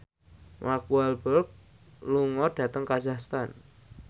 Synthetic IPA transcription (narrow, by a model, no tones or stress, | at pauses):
mʔakualbərk̚ | luŋɔɖ̥ä̤t̪əŋkazakst̪an